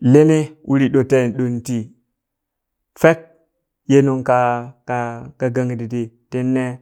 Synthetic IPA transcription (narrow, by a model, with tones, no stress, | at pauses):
le˦ne˦wʔu˦ɾi˦ɗo˨te˦˨nɗo˨n˦ti˦ | fe˦k̚ | je˦nu˦ŋka˦ka˨ka˨ɡa˦ŋ˨di˨ti˨te˦nːe˦